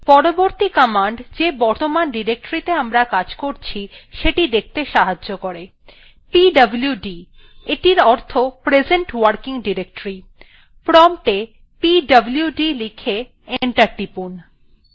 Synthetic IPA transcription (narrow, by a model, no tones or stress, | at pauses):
pɔɾoboɾt̪ikəmaɳɖd͡ʑebɔɾt̪omanɖiɾek̚ʈɾit̪eamɾakad͡ʑkoɾt͡ɕʰiʃeʈid̪ek̚ʰt̪eʃaɦaokoɾe | piɖɐbljuɖi | eʈiɾɔɾt̪ʰopɾed͡ʑeɳʈwaɾkiŋɖiɾek̚ʈɾi | pɾɔmʈe | piɖɐblijuɖilikʰe | eɳʈaɾʈipun